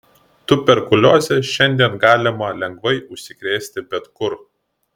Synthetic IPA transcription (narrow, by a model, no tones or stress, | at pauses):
t̪ʊpʲɛɾkʊlʲoːzʲeʃʲɛnʲd̪ʲiɛnɡɑːlʲɪmɐlʲɛŋɡʋɐɪʔʊʃʲsʲɪkɾʲeːsʲt̪ʲɪbʲɛt̪kʊɾ